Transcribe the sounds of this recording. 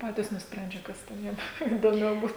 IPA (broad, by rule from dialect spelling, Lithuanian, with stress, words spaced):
ˈpɑːtʲiːs nʊsʲˈpʲrʲɛnʲd͡ʒʲɛ ˈkɐs tʲɛn ˈjiɛm iːdoːˈmʲɛʊ ˈbuːt